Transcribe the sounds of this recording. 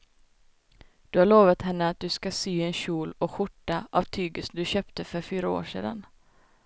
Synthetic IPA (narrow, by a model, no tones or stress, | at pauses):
d̪̥ɵhaɭoːvat̪hɛnːəat̪̚d̪ɵskasyːɛnɕuːlɔkɧʊʈːaʔavt̪ʰyːɡəsnd̪ɵɕøːpt̪əfœɾfyːɾao̰ːʂḛːd̪a̰n